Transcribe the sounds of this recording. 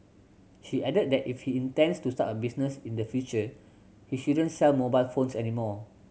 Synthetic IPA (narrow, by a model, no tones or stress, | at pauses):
ʃiʔɛdət̚dɛtifhiĩntɛ̃nstusta̰təbisnəsĩndəfjut͡ʃə | hiʃudə̃nsɛlmobajlfõnsɛnimɔ